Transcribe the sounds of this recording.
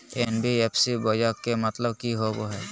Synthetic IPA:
enbiepʰsibɔjakkemət̪ləbkiɦoboɦɛ

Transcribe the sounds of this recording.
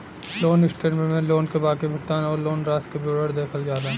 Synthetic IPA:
loːnɪsʈeɾmẽmẽloːnkebaːkebʱɐkt̪aːnɔːɾloːnɾaːskeboːɽəɾd̪eːkʰəld͡ʒaːɾaɦɛ̃

